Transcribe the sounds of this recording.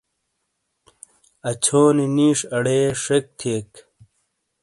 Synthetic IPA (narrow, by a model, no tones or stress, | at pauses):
ɐt͡ɕʰoːniniːʂɐɽeːʂek̚t̪ʰeːk